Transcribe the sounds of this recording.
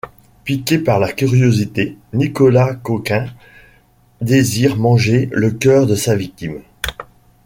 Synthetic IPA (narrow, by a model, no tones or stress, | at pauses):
pikʲepaʁlakʲyʁjozit̪enikɔlakokʲɛ̃ | d̪eziʁmɑ̃ʒeləkʲœːʁd̪əsavik̚t̪im